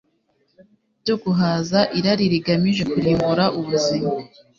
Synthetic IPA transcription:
ɟoɡuɦazaʔiɾaɾiɾiɡamiʒe̞kuɾiːmbuɾaʔuβuzima

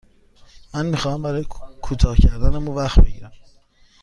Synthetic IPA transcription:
mænmixɒːhæmbæɾɒːjekʰuːt̪ʰɒːhcʰæɾd̪ænemuvæxt̪beɟiːɾæm

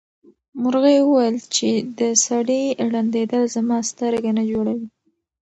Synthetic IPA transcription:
mʊɾɣajwəwajəlt͡ʃed̪əsaɽiɽand̪ed̪əlzamɑst̪əɾaɡanad͡ʒoɽawi

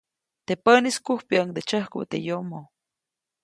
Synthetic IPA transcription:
t̪epəniskuhpjaəŋd̪et͡ʃəhkṵt̪ḛjomo

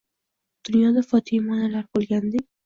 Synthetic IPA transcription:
d̪̥ʊnjɒd̪afɒt̪ʰɪjmɒnalaɾbolˠɡʲand̪ekʲ

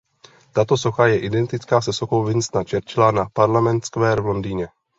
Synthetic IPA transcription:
t̪at̪o̞so̞xajɛʔɪdɛnt̪ɪt͡skaːsɛsoxo̞wvɪnst̪nat͡ʃɛɾt͡ʃɪlanapaɾlamɛnt̪skvɛːɾvlo̞ndiːɲɛ

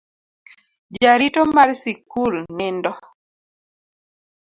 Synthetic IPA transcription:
d͡ʒaɾitomarsikulnɪndɔ

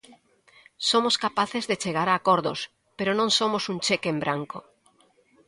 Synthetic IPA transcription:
somoskapaθezðet͡ʃeɣ̞aɾaːkoɾðo̰s | peɾonõŋsomosunt͡ʃekembɾaŋko

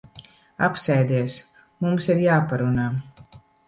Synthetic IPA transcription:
apsɛjd̪iɛs | mumsiɾjaːpaɾunaː

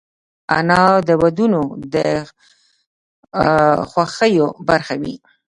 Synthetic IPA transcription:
a̰nɑd̪əwad̪unod̪ə | xwaxəjobaɾxawi

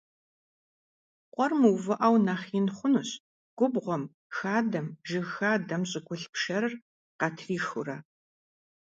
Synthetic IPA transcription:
qʷʼɔrmuwvɨʔɐwnaːχiːnχʷʊnuɕ | ɡ̥ʷʊbʁʷɔm | xaːdɐmʒɨxaːdɐmɕʼɪɡʷʊɬpʃɐrɨr | qɐtʰriːxʊrɐ

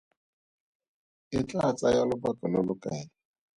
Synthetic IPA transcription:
ɪt͡ɬʼaat͡sʼajalʊbakʼɪlɔlʊkʼaɪ

